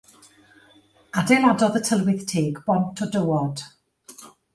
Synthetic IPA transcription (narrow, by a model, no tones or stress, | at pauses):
adejlˠadɔðətʰəlˠwɪðtʰeːɡbɔntʰɔdəwɔd̥